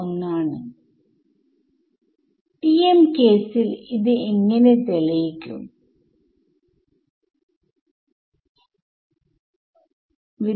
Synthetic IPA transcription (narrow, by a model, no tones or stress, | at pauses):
ɐŋnaːɳɨ | ʈiemkeːsiliðɨeŋːɐne̞t̪eɭɐjikʲːṵm | ʋi